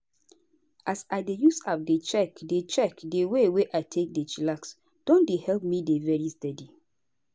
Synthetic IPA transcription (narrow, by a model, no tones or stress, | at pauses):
asaɪdejusap̚det͡ʃɛkdet͡ʃɛkdeweweʔaɪtʰek̚det͡ʃilaks | d̥ɔ̃ndehɛlp̚midevɛɹistɛdi